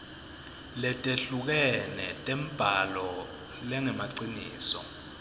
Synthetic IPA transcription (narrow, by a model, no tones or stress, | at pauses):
lɛtʼeɬuk̬ɛnɛtʼɛm̩b̥ʱalɔ | lɛŋɛmaǀiniːsɔ̰